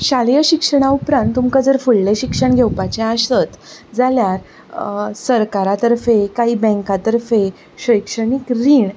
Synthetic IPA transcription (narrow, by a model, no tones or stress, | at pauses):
ɕaljəɕikʂəɳ̃aupɾãnt̪ːumkad͡zəɾfulːeɕikʂəɳɡʱewpat͡ɕẽast̪ət̪d͡zaljaɾ | səɾkaɾat̪əɾfekaɦiːbɛ̃ŋkat̪əɾfe | ɕəjkʂəɳikɾiːɳ